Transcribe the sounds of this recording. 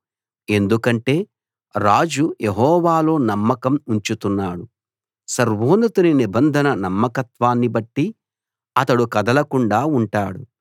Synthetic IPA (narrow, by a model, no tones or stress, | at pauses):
e̞nd̪ukɐɳʈe̞ː | ɾaːd͡ʒuje̞ɦɔːʋaːlo̞ːnɐmːɐkɐmuɲt͡ʃut̪unːaːɽu | sɐɾʋoːnɐt̪uninibɐnd̪ʱɐnɐnɐmːɐkɐt̪ʋaːnːibɐʈːi | ɐt̪ɐɽukɐd̪ɐlɐkuɳɖaːuɳʈaːɽu